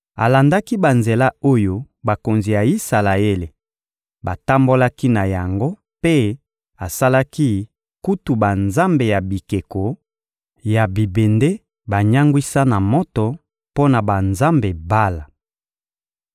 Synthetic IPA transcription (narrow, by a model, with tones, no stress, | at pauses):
a̰˨la˨nda˦ki˦ba˨nze˨la˦o˦jo˦ | ba˨ko˨nzi˨ja˨i˦sa˨la˨e˦le˨ | ba˨ta˦mbo˦la˦ki˦na˨ja˨ŋɡo˦ | pe˦ | a˨sa˦la˦ki˦ | ku˦tu˨ba˨nza˦mbe˨ja˨bi˨ke˨ko˨ | ja˨bi˨be˨nde˦ | ba˨ɲa˦ŋɡwi˦sa˦na˨mɔ˦tɔ˨ | po˦na˨ba˨nza˦mbe˨ba˦la˨